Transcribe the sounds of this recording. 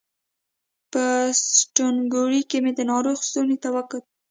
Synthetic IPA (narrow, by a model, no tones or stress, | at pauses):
pəsʈonɡoɾikemed̪ənɑɾoxsonet̪awakət̪̚